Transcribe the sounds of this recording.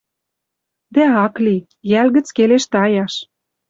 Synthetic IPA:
d̪æɑkli | jælɣə̆t͡skeleʃt̪ɑjɑʃ

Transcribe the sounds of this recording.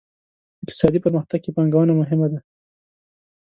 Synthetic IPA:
ɪk̚t̪ɪ̥sɑd̪ipəɾməxt̪aɡ̚kepaŋɡawənamʊɦɪmad̪a

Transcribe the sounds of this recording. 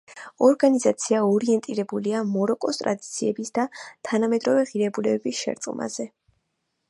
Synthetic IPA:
ɔɾɡanizat̪sʰiaɔɾiɛnt̪ʼiɾɛbuliamɔɾɔkʼɔst̪ʼɾa̰d̪it̪sʰiɛbisd̪at̪ʰanamɛd̪ɾɔvɛʁiɾɛbulɛbɛbisʃɛ̰ɾt̪sʼqʼma̰z̥ɛ

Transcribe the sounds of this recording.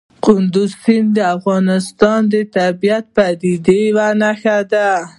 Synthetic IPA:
qʊnd̪ʊzsɪnd̪əafɣɑnɪst̪ɑnd̪ət̪abijat̪̚pad̪id̪ewanaxad̪a

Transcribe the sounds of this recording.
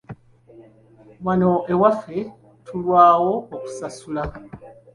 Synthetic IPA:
mwanoʔe̞wafe̞ | tʰulwaːwo̞oku̥sasula

